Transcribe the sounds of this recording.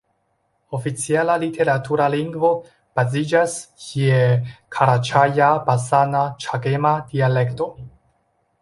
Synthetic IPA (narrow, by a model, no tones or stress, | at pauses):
ofit͡sialalitʰe̞ɾatuɾaliŋɡvo̞ | b̥azid͡ʒaskʰiekʰaɾat͡ʃajabasanat͡ʃaɡemadiale̞kto̞